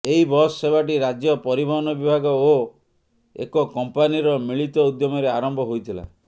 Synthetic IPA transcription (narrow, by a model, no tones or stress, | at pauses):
eɦibɔsːebʱaʈ̬iɾad͡ʒjɔpɔɾibʱɔɦɔnɔbibʱaɡɔo | ḛkɔkɔmpaniɾɔmiɭit̪ɔud̪jɔmɔɾeaɾɔmbʱɔɦojt̪ʰila̰